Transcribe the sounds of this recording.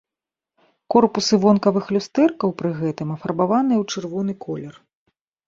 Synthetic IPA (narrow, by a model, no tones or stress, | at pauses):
kɔrpusɨvɔnkɐvɨxlʲust̪ɛrkɐwpɾɨɣɛt̪ɨmɐfɐrbavanɨjɛwt͡ʂɨrvɔnɨkʰɔlʲɛr